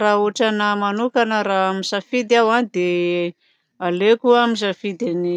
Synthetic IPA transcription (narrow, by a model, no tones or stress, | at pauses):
raoʈ͡ʂanəmanukanəɾaamisafid̪awanid̪e | alekuamisafid̪ini